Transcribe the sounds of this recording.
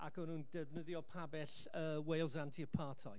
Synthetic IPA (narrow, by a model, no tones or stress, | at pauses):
a̰kʰɔnundəvnəðjɔpʰabɛɬ | əːwejlˠzantʰiəpʰaːtʰɔ̰j